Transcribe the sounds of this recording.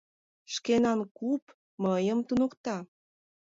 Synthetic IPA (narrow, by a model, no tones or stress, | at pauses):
ʃkenɑnkup | məjəmt̪unokt̪ɑ